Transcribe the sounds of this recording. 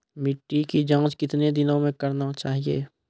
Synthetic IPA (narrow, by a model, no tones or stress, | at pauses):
mɪʈːikid͡ʒãːt͡ʃkɪt̪ned̪ɪnõmẽkəɾnat͡ʃaːɦiḛː